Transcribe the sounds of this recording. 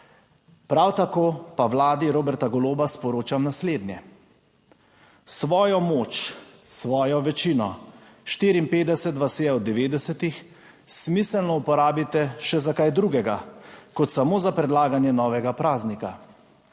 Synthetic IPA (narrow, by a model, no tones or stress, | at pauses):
pɾawt̪akoːpawlaːd̪iɾoːbɛɾt̪aɡɔloːbaspɔɾoːt͡ʃamnasleːd̪njɛ | sʋɔːjɔmoːt͡ʃ | sʋɔːjɔʋɛt͡ʃiːnɔ | ʃt̪iːɾiːmpeːd̪ɛsɛt̪ʋasejaɔd̪ːɛʋeːd̪ɛsɛt̪ix | smisɛlnɔupɔɾaːbit̪ɛʃɛzakajd̪ɾuːɡɛɡakɔt̪samoːzapɾɛd̪laːɡanjɛnɔːʋɛɡapɾaːznika